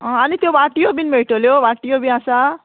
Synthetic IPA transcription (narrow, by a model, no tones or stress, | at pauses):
ʌ̃ʌnit̪jobaʈijobinmeʈoljobaʈijobiãsa